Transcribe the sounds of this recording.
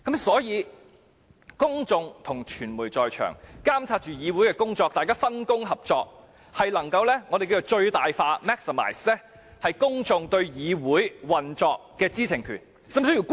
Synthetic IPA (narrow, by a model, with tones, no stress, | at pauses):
kɐ˨˥msɔː˨˥jiː˨˧ | kʊ˥ŋt͡sʊ˨ŋt̪ʰʊ˨˩ŋt͡ʃʰyː˨˩nmuː˨˩jt͡sɔː˨jt͡ʃʰœ̰ː˨˩ŋkaː˥mt͡sʰaː˧t̚t͡ʃyː˨jiː˨˧wu˨˥jkɛː˧kʊ˥ŋt͡sɔː˧k̚t̪aː˨jkaː˥fɐ˥nkʊ˥ŋɦɐ˨p̚t͡sɔː˧k̚ | hɐ˨jlɐ˨˩ŋkɐ˧wlɛː˥ŋɔː˨˧d̪e˨jki˧t͡so˨˩wt͡ʃɵ˧ɥt̪aː˨jfaː˧mɛː˥k̚sə˨ma̰ː˨˩jslɛː˥ | hɐ˨jkʊ˥ŋt͡sʊ˨˧ŋt̪ɵ˧ɥjiː˨˧wuː˨˥jwɐ˨nt͡sɔː˧k̚ːɛː˧t͡siː˥t͡sʰɪ˨˩ŋkʰy̰ː˨˩n | sɐ˥msɵ˥ji˨˩